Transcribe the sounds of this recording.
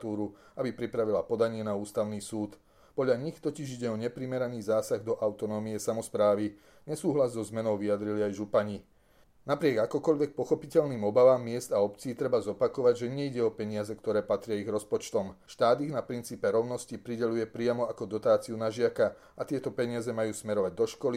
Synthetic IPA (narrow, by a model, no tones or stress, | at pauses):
t̪uːɾu | abipɾipɾaʋilapɔd̪aɲɪɛnauːst̪aʊniːsuːt̪ | pɔdʎaɲixt̪ɔciʒiɟɛɔɲɛpɾimɛɾaniːzaːsaɣd̪ɔʔaʊt̪ɔnɔːmiɛsamɔspɾaːʋi | ɲɛsuːɦlazzɔzmɛnɔʊʋijad̪ɾiliajʒupaɲi | napɾɪɛɡakɔkɔʎʋɛk̚pɔxɔpicɛʎniːmɔbaʋaːmːɪɛzd̪aɔpt͡siːt̪ɾɛbazɔpakɔʋaɟʒɛɲɛiɟɛɔpɛɲɪazɛkt̪ɔɾɛːpat̪ɾɪaiɣɾɔspɔt͡ʃt̪ɔmʃt̪aːd̪iɣnapɾint͡siːpɛɾɔʊnɔscipɾiɟɛlujɛpɾɪamɔakɔd̪ɔt̪aːt͡siunaʒɪaka | at̪ɪɛt̪ɔpɛɲɪazɛmajuːsmɛɾɔʋaɟ̚d̪ɔʃkɔli